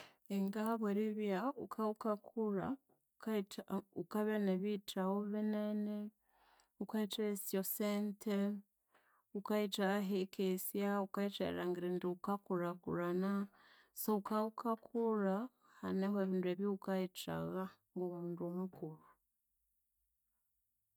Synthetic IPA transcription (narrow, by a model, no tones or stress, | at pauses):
eŋɡaβweɾiβjaukʰaukakʰuɾa̰ | ukaukaβeneβit͡ʃaɣoβenene | ukait͡ʃaesjosentʰe | ukait͡ʃaɣaɦekʰesjaukait͡ʃḛɾa̰ŋɡiɾindiukakuɾakṵɾana | soukaukʰakʰuɾa | haneŋɡoeβiːndweβjoukait͡ʃa̰ɣaŋɡomunduomukuɾu